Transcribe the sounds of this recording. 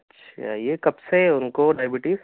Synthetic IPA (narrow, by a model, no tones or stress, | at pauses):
ɐtːʃʰa̰jekɐbseʊnkoɖaːɪbɪʈɪk